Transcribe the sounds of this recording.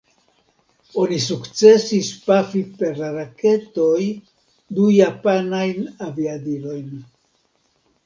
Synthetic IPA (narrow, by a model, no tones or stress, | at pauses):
o̞nis̬ukt͡se̞sispafipe̞ɾlaɾake̞to̞j | dujapanajnaviadilo̞jn